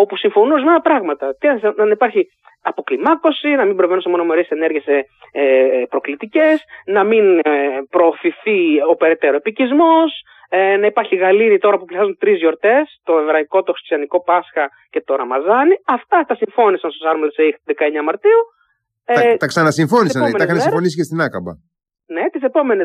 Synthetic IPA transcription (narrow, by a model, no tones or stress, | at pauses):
o̞pusiɱfo̞nuzmenɐpɾɐɣmɐt̪ɐt̪iɐnsɐnipɐɾçi | ɐpo̞klimɐko̞sinɐmimbɾo̞ve̞nunsemo̞nome̞ɾiesene̞ɾʝe̞s | epɾo̞klit̪ice̞snɐminpɾo̞ːfiθio̞pe̞ɾe̞t̪e̞ɾoepicizmo̞s | nɐipɐɾçiɣɐliɾit̪o̞ɾɐpupliθɐzunt̪ɾizʝo̞ɾt̪e̞st̪o̞e̞vɾɐiko̞t̪oxɾist̪jɐniko̞pɐsxɐ | ce̞t̪o̞ɾɐmɐzɐniɐft̪ɐt̪ɐsiɱfo̞nisɐnst̪osɐɾmleseixt̪ðe̞kɐe̞ɲɐmɐɾt̪iu | t̪ɐksɐnɐsiɱfo̞nissɐmenɐxɐnsifo̞nisicest̪inɐkɐ̰bɐ̰ | net̪isepo̞me̞ne